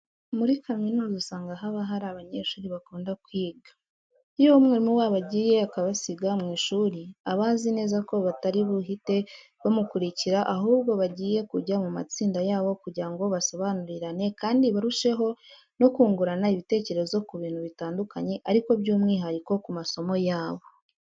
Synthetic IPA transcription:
muɾikaminuːzusaːŋɡaɦaβaɦaɾaβaɲe̞ʃuːɾiβakuːndakwiːɡḁ | ijomŋeɾimuwaːβaɟiːje̞akaβasiɡamŋiːʃuːɾiaβaːzine̞ːzako̞βataɾiβuɦite̞ | βomukuɾiciɾaʔaɦuːβɡo̞βaɟiːje̞kuɟamuma̰t͡siːndajaːβo̞kuɾɟaŋɡo̞βaso̞βanuɾiɾane̞kaːndiβaɾuʃe̞ɦo̞ | no̞kuːŋɡuɾanaiβite̞ːce̞ɾe̞zo̞kuβiːnhuβitaːndukaɲe̞ʔaɾiko̞bjuːmŋiːɦaɾiko̞kumaso̞mo̞jaːβo̞

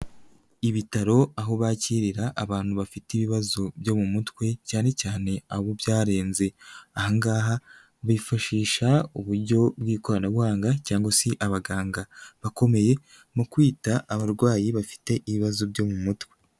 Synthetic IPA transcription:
iβitaɾo̞aɦo̞βaciɾiɾaʔːβaːn̥huβafitiβiβazobjo̞mumutwe̞caːne̞caːne̞aβubjaːɾe̞ːnze̞ahaŋɡaːɦa | βifaʃiːʃauβuɾɟo̞bɡiːko̞ɾanabβwaːŋɡacaːŋɡwasiʔaβaɡaːŋɡaβako̞me̞je̞ | mukwiːtaːβaɾɡwaːjiβafi̥te̞ʔiβiβazobɟo̞mumutwe̞

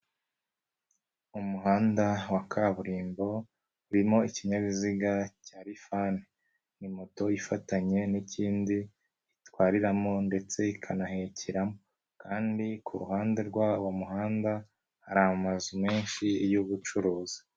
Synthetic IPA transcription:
umuɦaːndawakʰaβuɾiːmbo̞ | uɾimo̞iciɲaβiziɡacaːɾifaːne | nimo̞to̞ifataɲe̞niciːndiː | twaːɾiɾamo̞nde̞t͡se̞ikʰanahe̞cʰiɾamo | kʰaːndikʰṵɾṵɦaːnde̞ɾɡwawamuɦaːnda | haɾamazumeːnʃijuβut͡ʃuɾoːzi̥

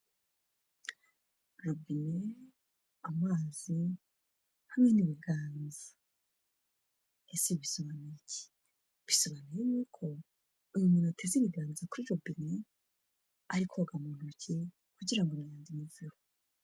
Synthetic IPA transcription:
ɾobine | amaːz̥i | hamŋe̞niβiɡaːnzḁ | esiβisoβanice̥ | βisoβanijejuːkʰo̞ | imuminotʰeziβiɡaːnzakuɾiɾobine | aɾikʰoɡamun̥uce | kuɟiɾaŋɡonajaːndimuvuɾo

